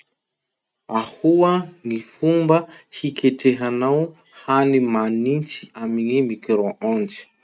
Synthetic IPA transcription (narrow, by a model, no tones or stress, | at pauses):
ahuənifumbəhikeʈ͡ʂeɦanaw | hanimanint͡si̥amiɲimikɾoʔãnd͡zi̥